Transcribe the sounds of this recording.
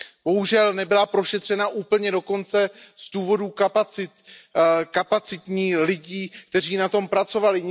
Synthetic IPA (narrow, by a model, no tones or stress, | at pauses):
b̥o̞ɦuʒɛlnɛbɪlapɾo̞ʃɛt̪r̝̥ɛnaʔuːpl̩ɲɛdo̞ko̞nt͡sɛz̥duːvo̞duːkapaɪt̪kapat͡sɪt̪ɲiːlɪɟiːk̚t̪ɛr̝iːnat̪o̞mpɾat͡so̞valɪɲ